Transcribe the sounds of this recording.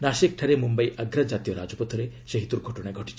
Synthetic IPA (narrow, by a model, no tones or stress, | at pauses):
nasek̚ʈʰaɾemumbajʔaɡɾad͡ʒat̪ijɔɾad͡ʒɔpɔt̪ʰɔɾeseɦit̪uɾɡʱɔʈɔɽ̃aeɡʱɔʈi̥t͡ʃʰi̥